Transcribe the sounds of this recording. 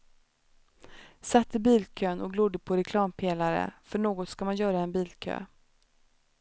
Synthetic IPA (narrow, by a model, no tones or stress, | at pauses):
sat̪ːɪbiːlkʰøːnɔkɡlʊd̪ːəpʰɔɾɛkʰlɑːmpʰeːlaɾə̰fœɳoːɡɔt̪skamanjœːɾaɛnbiːlkʰø̰ː